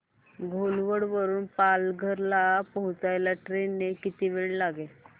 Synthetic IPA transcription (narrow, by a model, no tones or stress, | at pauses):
ɡʱolʋəɽʋəɾuːnpalɡʱəɾlapəɦut͡sajlaʈɾenːekit̪iːʋeɭlaɡe